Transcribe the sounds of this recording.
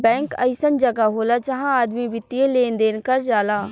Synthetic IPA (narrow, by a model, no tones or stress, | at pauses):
bɛ̃ːŋkə̰ɪsənd͡ʒɐɡaɦoːlad͡ʒɐɦãaːd̪mibɪt̪ːieleːnd̪eːnkəɾd͡ʒaːlaː